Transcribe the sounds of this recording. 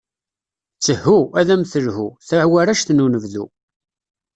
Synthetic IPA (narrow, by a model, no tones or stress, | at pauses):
t͡sːəhːuæðæmθəlhuθæʕwæɾæʃθnunəvðṵ